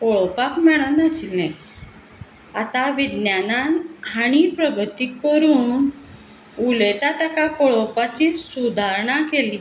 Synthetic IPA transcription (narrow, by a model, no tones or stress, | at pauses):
kɔɭɔpakmɛɭ̃anasilẽ | at̪aʋid̪njananɦaɽ̃ipɾəɡʱət̪ikəɾuːn | ulet̪at̪akakɔɭɔpat͡ɕisud̪ʱaɾɳakeliː